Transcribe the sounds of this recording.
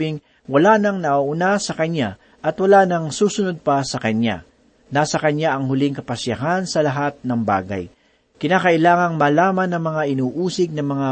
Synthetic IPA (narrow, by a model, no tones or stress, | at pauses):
ɪŋ | wɐlanɐŋnɐʔaʔʊnasɐkɐɲːa | ʔɐt̪wɐlanɐŋsuːsʊnod̪̚pɐsɐkɐɲa̰ | naːsɐkɐɲaʔɐŋhʊlɪŋkɐpɐsjɐɦansɐlɐɦat̪̚nɐŋba̰ːɡɐ̰j | kɪnaːkɐʔɪlaːŋɐŋmɐlaːmɐnːɐŋmɐŋaʔɪnuːʔuːsɪɡ̚nɐmɐŋa